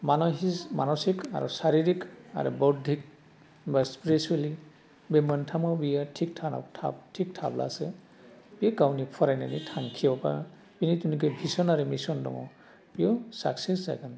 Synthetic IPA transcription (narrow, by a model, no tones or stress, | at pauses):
manɔɦismanɔsika̰ɹusaɾiɾika̰ɾṵbɔdʱik̚ | baspiɾisuali | bemantʰamɔbijatʰik̚tʰanɔ̰ktʰa̰b̚tʰik̚tʰa̰bla̰sɛ | pikawnipʰɔɾajna̰nitʰaŋkʰiɔpa̰ | pinitunik̬ebʱisɔnaɾɛmisɔndɔ̰ŋɔ̰ | pijɔsa̰ksɛsza̰ɡan